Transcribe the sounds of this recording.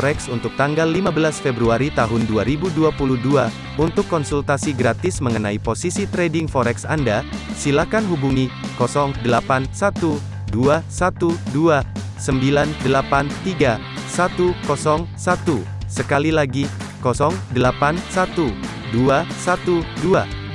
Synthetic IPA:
ɾɛksunt̪ʊk̚t̪aŋɡalːimabəlasfebɾuaɾit̪aɦʊnduaɾibuduapuluhdua | unt̪ʊkːɔnsult̪asiɡɾat̪ɪsməŋənaiposisit̪ɾedɪŋfɔɾɛksa̰ndasilakanɦubuŋikɔsɔŋdəlapansat̪u | duasat̪udua | səmbilandəlapant̪iɡa | sat̪ukɔsɔŋsat̪u | səkalilaɡi | kɔsɔŋdəlapansat̪u | duasat̪udua

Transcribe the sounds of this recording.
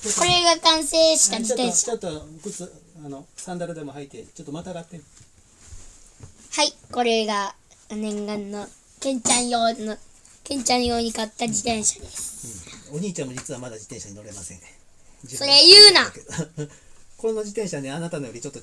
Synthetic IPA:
ko̞ɾe̞ɡakãɰ̃se̞ːɕi̥t̪ad͡ʑit̪ẽɕot̪ːokɯt͡sɨanosãnd̪aɾɯ̟d̪e̞mo̞hait̪ːet͡ɕot̪ːomat̪aɡat̪ːe | haiko̞ɾe̞ɡanẽ̞ŋɡãnːo | kẽ̞ɲ̟t͡ɕãɰ̃joːno | kẽ̞ɲ̟t͡ɕãɰ̃jo̞ːɲ̟ikat̪ːad͡ʑit̪ẽ̞ɰ̃ɕḁd̪esɨ̥ɯ̃oɲ̟iːt͡ɕãmːod͡ʑit͡sɨβamad̪ad͡ʑit̪ẽ̞ɰ̃ɕaɲino̞ɾe̞masḛ̃ŋ | soɾejɯ̟ːna | koɾenod͡ʑit̪ẽ̞ɰ̃ɕaβneanat̪anojo̞ɾʲit͡ɕo̞t̪ːo

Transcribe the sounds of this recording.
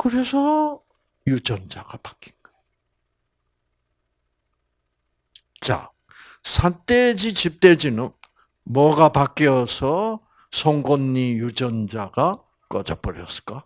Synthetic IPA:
kɯɾe̞sʰʌ | jud͡ʑʌnd͡ʑaɡ̥apḁk͈i̥nɡ̥ʌe | t͡ɕa̰ | sʰant͈ed͡ʑit͡ɕip̚t͈ed͡ʑinɯn | mwʌɡapak͈iʌsʰʌ | sʰʌŋɡonːijud͡ʑʌnd͡ʑaɡa | k͈ʌd͡ʑʌp͈ʌɾjʌs͈ɯ̥k͈a

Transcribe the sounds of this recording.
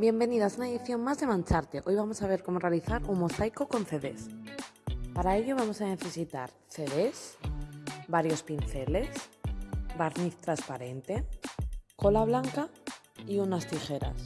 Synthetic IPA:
bje̞mbe̞niðasunaeðiθjo̞nmazðe̞mãnt͡ʃaɾt̪eʔo̞jβamo̞saβ̞e̞ɾko̞mo̞re̞aliθaɾumo̞sajkoko̞nθe̞ðe̞̰s | paɾae̞ʎo̞βamo̞sane̞θe̞sit̪a̰ɾθe̞ðe̞s | baɾjo̞spinθe̞le̞s | baɾniθt̪ɾaspaɾe̞nt̪e̞ | ko̞laβlaŋkaiunast̪ixe̞ɾa̰s

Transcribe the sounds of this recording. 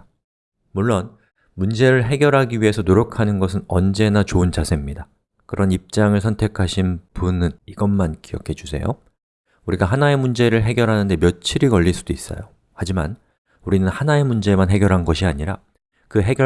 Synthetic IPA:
muɭːon | mund͡ʑe̞ɾɯɭɦe̞ɡjʌɾɦaɡiɥiɦe̞sʰʌnoɾjʌkʰanɯnɡʌsʰɯnʌnd͡ʑe̞nat͡ɕoɯnt͡ɕasʰe̞mɲida | kɯɾʔʌnip̚t͡ɕ͈aŋɯɭsʰʌntʰe̞kʰaɕʰinpunɯniɡʌnmankijʌkʰe̞d͡ʑusʰe̞̰jo̰ | uɾiɡaɦanae̞mund͡ʑe̞ɾɯɭɦe̞ɡjʌɾɦanɯnde̞mjʌt͡ɕʰiɾikʌʎːiɭs͈ʰudois͈ʌ̰jo | had͡ʑima̰n | uɾinɯnhanae̞mund͡ʑe̞manɦe̞ɡjʌɾɦanɡʌɕʰiaɲiɾa̰ | kɯɦe̞ɡjʌ

